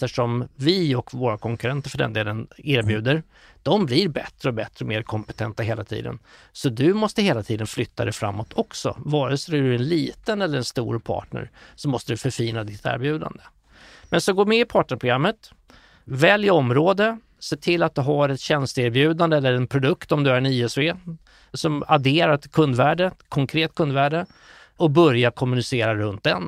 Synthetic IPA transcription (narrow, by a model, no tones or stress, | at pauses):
t̪əʂɔmvɪɔkvoːɾakʰɔŋkɵɾɛnt̪əɾfœɖɛ̰nd̪eːlənɪːɾbjʉ̟ːd̪əɾ | d̪̥ɔmbliɾbɛt̪ɾəɔbɛt̪ɾəɔmeːɾkʰɔmpɛt̪ʰɛnt̪aɦeːla̰t̪ʰḭːd̪ə̰n | sɔd̪ɵmɔst̪əɦeːlat̪ʰiːd̪ənflʏt̪ʰːad̪ɛfɾa̰mːɔt̪ʰɔksɔ̰vɑːɾəsæɖɵɛnliːt̪ənɛlːəɾɛnst̪ṵːɾpʰɑ̰ːʈɳə̰ɾsɔmːɔst̪əd̪ɵfœɾfiːnad̪ɪt̪ʰæ̰ːɾbjʉ̟ːd̪a̰nd̪ə | mɛnsɔɡoːmɛɪpʰɑːʈɳəpʰɾʊɡɾamːət̪ | vɛljɪɔmɾoːd̪ə | seːʈʰɪlːat̪̚d̪ɵɦaɾɛt̪ɕɛnst̪əeɾbjʉ̟ːd̪and̪əɛlːəɾɛnpʰɾʊd̪ɵkt̪ɔmd̪ɵæɾɛniːɛsveː | sɔmad̪eːɾaɾkʰɵnd̪væːɖəkʰɔŋkʰɾeːt̪̚ːkʰɵnd̪væːɖə | ɔbœɾjakʰɔmːɵnɪseːɾaɾɵnt̪̚d̪ɛn